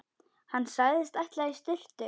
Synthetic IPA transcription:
hanːsaːɣðɪst̪ajht̪laist̪ɪl̥t̪ʏ

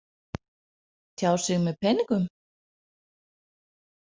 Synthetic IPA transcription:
t̪ʰjaːwsɪɣmɛðpʰɛnɪŋkʏm

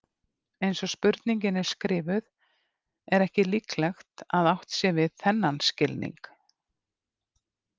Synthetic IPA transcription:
ejnsɔspʏɾt̪niɲcɪnɛɾ̥skɾɪːvʏð | ɛɾɛhcɪliklɛxt̪aðawht̪sjɛvɪðθɛnːanscɪlnḭŋk

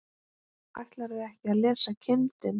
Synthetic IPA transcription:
a̰jht̪laɾɪɛhcɪaðlɛːsacʰɪnt̪ɪn

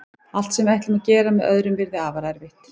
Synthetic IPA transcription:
al̥t̪sɛmajht̪lɪmacɛːɾamɛðœ̰ðɾʏmvɪɾðɪaːvaɾaɾvɪht̪

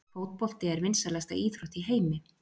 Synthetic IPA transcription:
foːwt̪̚pɔl̥t̪ɪɛɾvɪnsaɾlɛst̪a̰iːθɾoht̪iɦeːjmɪ

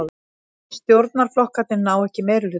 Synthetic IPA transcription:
st̪jowɾt̪̚naɾ̥flɔhkat̪nɪnaːwɛhcɪmeːjɾʏlʏ

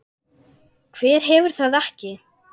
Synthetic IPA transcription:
kʰv̥ɛːɾ̥ɦɛvʏɾ̥θaðɛhcɪ

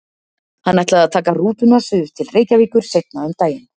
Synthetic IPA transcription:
hanːajt̪laðaðt̪ʰaːkaruːt̪ʏnasʏt̪ʰɪlreːjcaviːkʏɾ̥sejt̪̚naʏmt̪aːjɪn

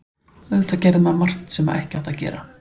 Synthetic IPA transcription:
ðʏt̪ʰːacɛɾðɪmaðmar̥t̪n̥sɛma̰ɛhcɪaht̪acɛ̰ːɾa

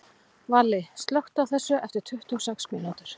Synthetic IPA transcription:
valːɪst̪lowht̪awθɛsːʏʔɛft̪ɪɾ̥t̪ʰʏht̪ʏɔwsɛksmɪlant̪ʏɾ̥

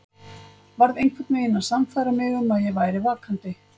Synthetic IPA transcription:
vaɾðejŋkʰvɛt̪nɪɪnːaðsamfajɾamɪɣɛmaðjɛɣvaːjɾɪvaːkʰant̪ɪ

